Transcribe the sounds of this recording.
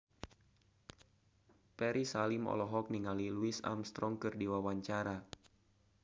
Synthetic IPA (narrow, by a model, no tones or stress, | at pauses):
pɛɾisalimɔ̰lɔɦɔk̚niŋaliluisa̰mst̪ɾɔŋkɨrdiwawaɲt͡ʃaɾa